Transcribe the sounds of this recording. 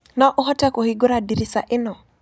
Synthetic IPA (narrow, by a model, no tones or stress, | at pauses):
nɔʔʊɦɔtɛkohiɡoɾadiɾisaʔɪnɔ